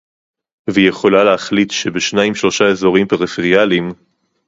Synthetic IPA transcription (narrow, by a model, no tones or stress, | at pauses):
veijeχo̞laleaχlitʃebeʃnaimʃlo̞ʃae̞zo̞ʁimpeʁifeʁijalim